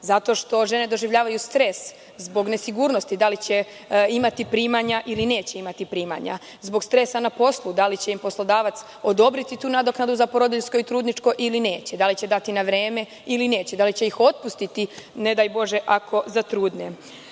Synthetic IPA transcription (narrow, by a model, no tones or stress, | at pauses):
zat̪o̞ʃt̪o̞ʒe̞ne̞d̪o̞ʒiʋʎaːʋajust̪ɾes | zbo̞ɡne̞siɡuːɾnost̪id̪alit͡ɕe̞ | imat̪ipɾiːmaɲaʔiline̞ːt͡ɕe̞imat̪ipɾiːma̰ɲa̰ | zbo̞ɡst̪ɾe̞sanapo̞slˠud̪alit͡ɕe̞impo̞slˠod̪aːʋat̪s | o̞d̪o̞bɾit̪it̪uːnad̪oknad̪uzapo̞ɾod̪iʎsko̞it̪ɾuːd̪nit͡ʃko̞ʔiline̞ːt͡ɕed̪alit͡ɕe̞d̪at̪inaʋɾeːme̞ | iline̞ːt͡ɕed̪alit͡ɕe̞ixo̞t̪̚pust̪it̪ine̞d̪ajbo̞ʒeʔakʰo̞zat̪ɾuːd̪ne